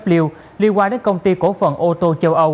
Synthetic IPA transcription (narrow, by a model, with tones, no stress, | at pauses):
p̚li˧əw | li˧ənkwaː˧ɗe˨˦nkə˧wŋ͡mt̪i˧ko˧˥fə˨˩nʔo˧t̪o˧t͡ɕə˧wʔə˧w